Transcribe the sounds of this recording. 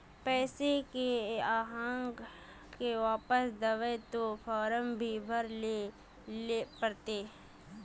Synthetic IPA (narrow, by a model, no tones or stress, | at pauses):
pɛːsekeaːɦãːŋɡ | keʋaːpəsd̪əʋet̪opʰɔːɾəmbʱibʱəɾle | lepəɾt̪eː